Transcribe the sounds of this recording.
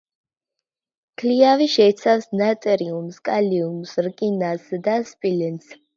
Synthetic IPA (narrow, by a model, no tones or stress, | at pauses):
kʰliaviʃɛːt̪sʰafsnat̪ʼɛɾiumskʼaliumsɾkʼinasd̪aspʼilɛns